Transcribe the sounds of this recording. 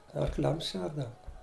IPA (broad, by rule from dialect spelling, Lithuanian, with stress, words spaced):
ɐrˈklʲɛms ˈʃʲɛrdɐʋʊ